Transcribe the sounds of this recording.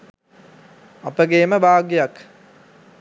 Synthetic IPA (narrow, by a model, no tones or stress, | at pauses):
ɐpəɡeːməbʱaːɡjjak